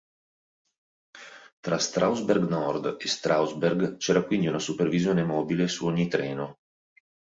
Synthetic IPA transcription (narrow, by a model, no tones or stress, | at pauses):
t̪ɾast̪ɾʔawzberɡnɔrd̪est̪ɾawzberɡt͡ʃɛːɾakwind̪iunasupervizjoːnemɔːbilesuoɲːit̪ɾɛːno